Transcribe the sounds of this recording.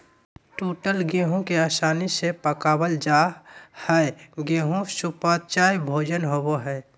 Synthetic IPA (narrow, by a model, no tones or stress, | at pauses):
ʈoːʈəlɡeːɦõkeaːsaːnisepəkaːbəld͡ʒaːhɛeɡeːɦõsupat̪̚t͡ʃaːjbʱoːd͡ʒənɦoboɦɛː